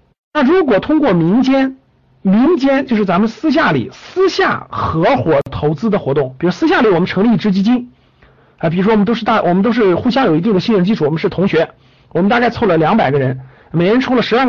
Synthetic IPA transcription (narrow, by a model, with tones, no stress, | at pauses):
na˥˩ɻu˧˥kwɔ˨˩t̪ʰʊ˥ŋkwɔ˥˩mi˧˥ŋt͡ɕjɛ˥n | mi˧˥ŋt͡ɕjɛ˥nt͡ɕjo˥˧ʂɻ̩˥˩t͡sa˧˥mə˧nsɹ̩˥ɕ̬ja˥˩lḭ˨˩sɹ̩˥ɕja̰˥˩xɤ˧˥xwɔ˧˩t̪ʰo˧˥ʊt͡sɹ̩˥d̪ə˨xwɔ˧˥t̪ʊ˥˩ŋpi˨˩ɻu˦˥sɹ̩˥ɕ̬ja˥˩li˨˩wɔ˨˩mə˦nʈ͡ʂʰɤ˧˥ŋli˧i˥˩ʈ͡ʂɻ̩˥t͡ɕi˥t͡ɕi˥n | a˧˩pi˨˩ɻu˥ʂww̪o˥ʊʂ̩˥˧t̪a˥˩wɔ˨˩mə˦nt̪o˥ʂɻ̩˥˩xu˥˩ɕjɑ˥ŋjo˨˩ʊi˧t̪i˥˩ŋdə˩ɕi˥˧nɻə˥˧˥nt͡ɕi˥˧ʈ͡ʂʰu˥˩wm˧˦ʂɻ̩˥˩t̪ʰʊ˧˥ŋɕɥɛ˧˥ | wɔ˨˩mə˦nt̪a˥˧ka˥˧ɪt͡sʰo˥˩lə˩ljɑ˧˥ŋpa˨˩ɪɡə˦ɻə˧˥n | me˨˩ɪə˧˥nʈ͡ʂʰu˥lə˨˩ʂɻ̩˧˥a˥˩